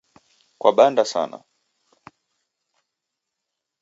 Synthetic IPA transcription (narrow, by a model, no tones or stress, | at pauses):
kwaɓandasa̰na̰